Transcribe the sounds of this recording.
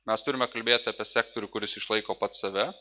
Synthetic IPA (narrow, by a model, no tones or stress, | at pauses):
mʲɛst̪ʊɾʲɪmʲɛkɐlʲbʲeːt̪ʲɐːpʲiɛsʲæːk̚t̪oːɾʲʊkʊɾʲɪsɪʃlˠɐɪkoːpɐt̪sɐʋʲɛ